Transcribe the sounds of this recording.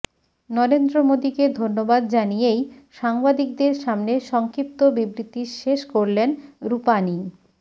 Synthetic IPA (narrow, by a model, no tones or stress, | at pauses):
nɔɾend̪ɾomod̪iked̪ʱonːobad̪d͡ʑanijejʃaŋbad̪ik̚d̪eɾʃamneʃɔŋkɾip̚t̪obibɾit̪iʃeʃkoɾlenɾupani